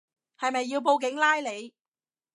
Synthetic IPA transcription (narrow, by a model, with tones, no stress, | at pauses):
hɐ˨jmɐ˨jːiː˧wp̬o˧wk̬ɪ˨˥ŋlaː˥jle˨˧j